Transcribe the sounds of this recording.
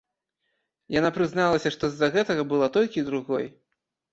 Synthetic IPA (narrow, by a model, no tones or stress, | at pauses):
janapɾɨznalˠɐsʲɐʂt̪ɔzːɐɣɛt̪ɐɣɐbɨlˠat̪ɔlʲkʲid̪ɾuɣɔj